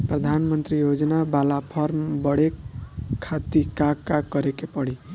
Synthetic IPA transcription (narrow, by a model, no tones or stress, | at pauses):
pɾəd̪ʱanmənt̪ɾijod͡ʒnabalapʰɔɾmbəɽekʰː | at̪ikaɡkakʌɾekepəɽi